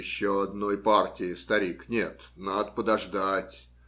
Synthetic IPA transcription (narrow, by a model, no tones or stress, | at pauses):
ɪɕːoɐd̪nojpartʲɪɪst̪ɐɾʲiknʲet̪nad̪əpəd̪ɐʐd̪atʲ